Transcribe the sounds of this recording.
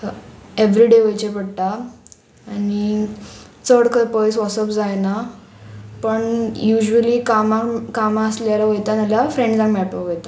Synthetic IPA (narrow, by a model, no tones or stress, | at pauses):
eʋɾiɖeʋəjt͡ɕepəɽʈ̪a | ani | t͡səɽkəɾpəjsʋɔsəpd͡zajna | pəɳjuʑuəliːkamakamasljaɾaʋəjt̪analjafɾẽɳɖd͡zãŋɡmɛɭʈoɡet̪a